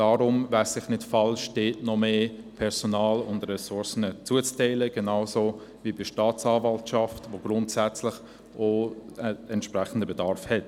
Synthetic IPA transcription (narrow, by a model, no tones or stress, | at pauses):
aːɾʊmvæɪsɪχnɪtfɑlʃd̥eːtnɔmeːpʰɛɾz̥onaːlʊndrɛsʊɾsənət͡suət͡stɛɪləɡ̥enaʊsovibiʃtaːt͡sɑːvɑltʃɑftvoɡ̥ɾʊntsɛt͡slɪχ | oəɛntʃpɾɛχən̩dəbədɑɾfhɛt